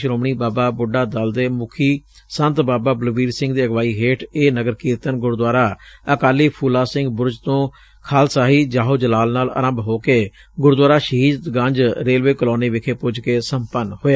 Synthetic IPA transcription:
ʃɾoːmɳiːbaːbaːbʊɖaːd̪əld̪eːmʊkʰiː | sə̃nt̪baːbaːblʋiːɾsɪ̃ŋɡd̪iːəɡʋaːiːɦeːʈʰeːnəɡəɾkiːɾt̪ənɡʊɾd̪waːɾaːəkaːliːpʰuːlaːsɪ̃ŋɡbʊɾd͡ʒt̪õː | kʰaːlsaːɦiːd͡ʒaːɦoːd͡ʒəlaːlnaːlə̰ɾə̃mbɦoːkeː | ɡʊɾd̪waːɾaːʃəɦiːd̪ɡãɲd͡ʒɾeːlʋeːkəloːniːʋɪkʰeːpʊd͡ʒkeːsəmpənhoːe

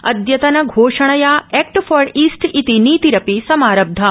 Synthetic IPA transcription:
ɐ̰d̪jɐt̪ɐnɐɡʱoːʃɐɳ̃ɐjaːɛːk̚ʈfɔːɾiːsʈit̪iniːt̪iɾɐpisɐmaːɾɐb̚d̪ʱɐ

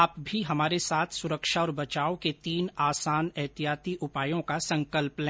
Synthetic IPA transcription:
aːpbʱiɦɐmaːɾesaːt̪ʰsʊɾəkʃaɔːɾbɐt͡ʃaːoket̪iːnaːsaːnɛɦt̪ijaːt̪iʔʊpaːjõkasɐ̃ŋkəlplɛ̃

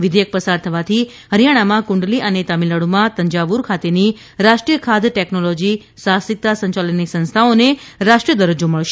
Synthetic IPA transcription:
ʋɪd̪ejək̚pəsaɾt̪ʰəʋat̪ʰi | ɦəɾjaɽ̃amãkũɳɖliʔənet̪amiləɽomãt̪əɲd͡ʒaʋuɾkʰat̪eni | ɾaʃʈɾijəkʰad̪ʈeknolod͡ʒi | sasɪk̚t̪asə̃ɲt͡ʃalənisə̃ñst̪ʰaoneɾaʂʈɾijəd̪əɾəd͡ʒoməɭʃe̥

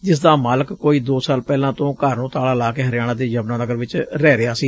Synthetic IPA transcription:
d͡ʒɪs̬d̪aːmaːləkkːoːiːd̪oːsaːlpɛːlãːt̪õːkəɾnõːt̪aːlaːlaːkeːɦəɾɪjaːnãːd̪eːd͡ʒəbnãːnəɡəɾʋɪt͡ʃɾɛːɾɪaːsiː

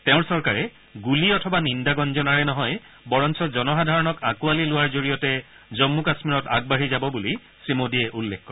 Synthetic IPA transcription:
tɛʊ̃ɹsɔɹkaɹɛ | ɡuliɔtʰɔbanindaɡɔnzɔnaɹɛnɔɦɔj | bɔɹɔnsɔzɔnɔxadʱaɹɔnɔkakualilʊwaɹzoɹijɔtɛ | zɔmːukasmiɹɔta̰ɡ̚baɹizabɔbuli | sɹimodiɛʔulːekkɔɹ

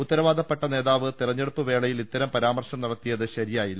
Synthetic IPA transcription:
ut̪ːɐɾɐʋaːd̪ʱɐpːɐʈːɐne̞ːðaːʋɨt̪irɐɲːeɽupːɨʋe̞ːɭɐjilit̪ːɐɾɐmpɐɾaːmɐrʂɐmnɐɽɐt̪ːijɐðɨɕɐɾijaːjilːɐ

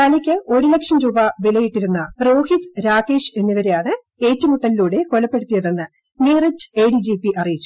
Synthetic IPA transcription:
t̪aːnikʲːɨo̞ɾulekʂɐmɾuːbɐʋilɐjiʈːiɾunːɐro̞ːhit̪ɾaːɣe̞ːʂe̞nːiʋɐɾejaːɳɨ | e̞ːtːumuʈːɐliluːɽe̞ko̞lɐpːeɽut̪ːijɐðenːɨ | neːrɐt͡ɕːeːɽid͡ʑiːpːiʔɐrijit͡ɕːu̥

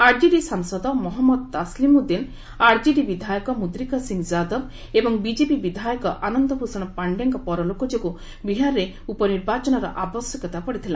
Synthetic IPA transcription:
aɾd͡ʒiɖisaŋsɔd̪ɔmɔɦɔmːɔd̪̚t̪aslimud̪in | aɾd͡ʒiɖibid̪ʱajɔkɔmud̪ɾikɔsiŋd͡ʒad̪ɔb | ebɔŋbid͡ʒepibid̪ʱajɔkɔʔanɔnd̪ɔpusɔɽ̃ɔpaɳɖaŋkɔpɔɾɔlokɔd͡ʒoku | biɦaɾɾe | upɔniɾbat͡ʃɔnɔɾɔ̰ʔabɔsjɔkɔt̪apɔɽit̪ʰila

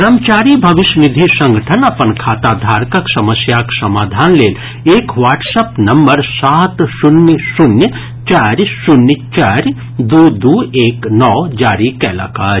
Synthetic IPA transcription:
ɾəmt͡ʃaːɾiːbʱɐʋɪʃnɪd̪ʱisɐ̃ŋɡʱəʈʰənɐpənkʰaːt̪aːd̪ʱaːɾkɐksɐməsjaksɐmaːd̪ʱaːnleːl | eːkʋaːʈsɐpnɐmbəɾsaːt̪sʊnjəsʊnjə | t͡ʃaːɾsʊnjət͡ʃaːɾ | d̪uːd̪uːeːknɔːd͡ʒaːɾikɛːla̰ːkaː

